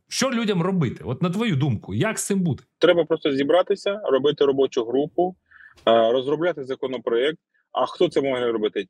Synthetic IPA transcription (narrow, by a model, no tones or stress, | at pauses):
ʃt͡ʃɔlʲudʲɐmrɔbɪt̪ɪɔt̪nɐt̪ʋɔjud̪umkʊjɐksɪmbud̪ɛ̥t̪ɾɛbɐpɾɔst̪ɔzʲibɾɑt̪ɪsʲɐrɔbɪt̪ɪɾɔbɔt͡ʃʊɦɾupʊ | ɾɔzɾɔblʲat̪ɪzɐkɔnɔpɾɔɛk̚t̪ | ɐxt̪ɔt̪sɛmɔʒɛɾɔbɪt̪ɪ